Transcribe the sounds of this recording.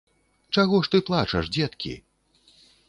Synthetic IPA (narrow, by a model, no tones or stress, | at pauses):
t͡ʂaɣɔʂt̪ɨplˠat͡ʂɐʂd͡zʲɛt̪kʲḭ